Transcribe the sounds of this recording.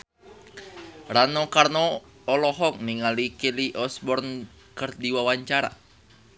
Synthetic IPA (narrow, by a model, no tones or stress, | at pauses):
ɾanɔkarnɔː | lɔɦɔk̚niŋalikiliʔɔsbɔrn | kərdiwawaɲt͡ʃaɾa̰